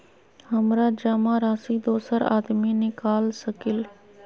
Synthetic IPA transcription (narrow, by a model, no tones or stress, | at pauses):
həmɾaːd͡ʒaːmãːɾaːsiːd̪oːsəɾa̰ːd̪miːnɪkaːlsəkɪl